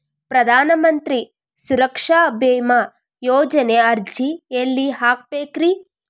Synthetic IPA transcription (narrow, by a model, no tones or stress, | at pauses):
pɾɐd̪ʱaːnɐmɐnt̪ɾi | suɾɐkʂaːbeːma | joːd͡ʒɐneɐɾd͡ʒielːiɦaːk̚peːkɾi